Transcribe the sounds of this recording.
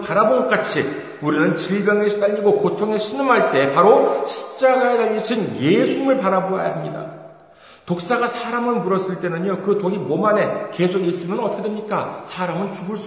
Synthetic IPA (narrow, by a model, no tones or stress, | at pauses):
paɾaboŋɡʌk͈at͡ɕʰi | uɾinɯnt͡ɕiɭbjʌŋe̞ɕʰi̥t͈aʎːiɡokotʰoŋe̞ɕʰinɯmɦaɭt͈e̞paɾoɕʰi̥p̚t͡ɕ͈aɡae̞taʎːiɕʰinje̞sʰuɲmɯɭpaɾaboa̰ja̰ɦamɲida̰ | tok̚s͈aɡasʰaɾamɯnmuɾʌs͈ɯɭt͈e̞nɯɲjokɯtoɡimomane̞ke̞sʰoɡis͈ɯmjʌnʌtʰedemɲik͈asʰaɾamɯnt͡ɕuɡɯɭs͈